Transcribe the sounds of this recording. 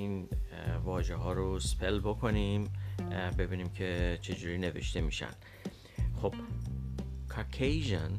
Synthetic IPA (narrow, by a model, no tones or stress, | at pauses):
in | vɒːʒeɦɒːɾospʰelbokʰonimbe̞biːnimcʰe̞t͡ʃʰe̞d͡ʒuːɾiːne̞ve̞̰ʃt̪ʰe̞miːʃæ̰n | xob̥̚ | kʰakʰejʒen